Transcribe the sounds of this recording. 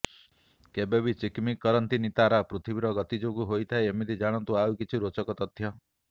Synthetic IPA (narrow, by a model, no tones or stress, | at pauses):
kebeβit͡ʃikmikːɔɾɔnt̪init̪aɾapɾut̪ʰibiɾɔɡɔt̪id͡ʒoɡuɦojt̪ʰaeemit̪id͡ʒaɽ̃ɔnt̪uawkit͡ʃʰiɾot͡ʃɔkɔt̪ɔt̪ʰjɔ